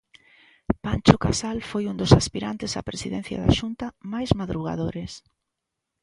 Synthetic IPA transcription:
pant͡ʃokasalfojund̪osaspiɾant̪ɪsa̰pɾesiðɛn̟θja̰ða̰ʃunt̪ɐmajzmaðɾuɣa̰ðoɾes

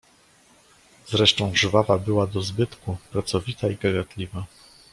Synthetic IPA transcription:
zɾɛʂt̪ɔ̃w̃ʐvavabɘwad̪ɔzbɘt̪kupɾat̪sɔvʲit̪aiɡaɡat̪lʲiva

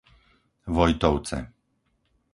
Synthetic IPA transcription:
vɔjt̪ɔwt̪sɛ̰

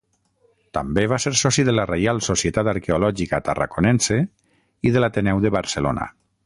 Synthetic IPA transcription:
t̪ambeβaseɾsɔsiðəlarejalˠsosiet̪at̪aɾkeolɔʒikat̪ara̰konɛnse | iðəlat̪enɛwðəβaɾsəlo̰na̰

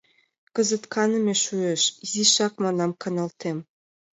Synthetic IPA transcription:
kə̆zə̆t̪kʰɑnə̆meʃueʃiziʃɑkmɑnɑmkɑnɑlt̪em

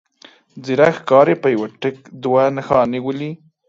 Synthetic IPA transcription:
d͡ziɾaxkɑɾepəjawaʈəkd̪wanaxɑniwəli

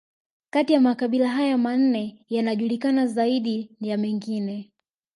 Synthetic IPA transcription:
katijamakaɓilaɦajaman̩nɛjanaʄulikanazaiɗijamɛŋɡinɛ

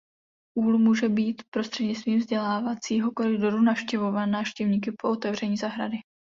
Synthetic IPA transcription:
ʔuːlmuːʒɛbiːt̪pɾo̞st̪r̥ɛdɲɪst̪viːmvzɟɛlaːvat͡siːɦo̞ko̞lɪdo̞ɾunafʃcɛvo̞vanːaːfʃcɛvɲiːk̬ɪpo̞ʔot̪ɛvr̝ɛɲiːzaɦɾadɪ

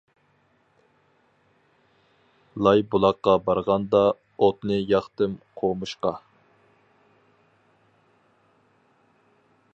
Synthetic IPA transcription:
lˠɑjbulˠɑqːɑbɑɾʁɑnd̪ɑ | ot̪nɨjɑχt̪ɨmqʰomɨʃqɑ

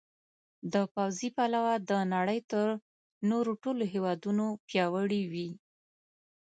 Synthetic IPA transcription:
d̪əpawzipalawad̪ənaɽəjt̪əɾ | noɾoʈoloɦewɑd̪unopjɑwəɽiwi

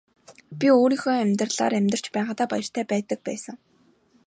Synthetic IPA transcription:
pʲioːɾiːŋxoːæmʲt̪rɮa̰ːɾæmʲt̪ə̆r̥t͡ɕpæːʁaːt̪aːpa̰jə̆r̥t̪ʰæːpæːt̪ə̆k̚pæ̰ːsə̆ŋ

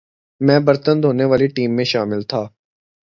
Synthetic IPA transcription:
mɛ̃ːbəɾt̪ənd̪ʱɦoːneʋaːliʈiːmːẽʃaːmɪlt̪ʰaː

